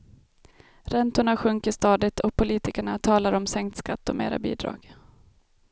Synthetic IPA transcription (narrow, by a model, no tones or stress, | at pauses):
ɾɛnt̪ʊɳaɧɵŋkəʂt̪ɑːd̪ɪt̪ʰɔpʰʊliːt̪ɪkəɳat̪ʰɑːlaɾɔmsɛŋkt̪skat̪ːɔ̰mḛːɾa̰bḭːd̪ɾɑ̰ːɡ̥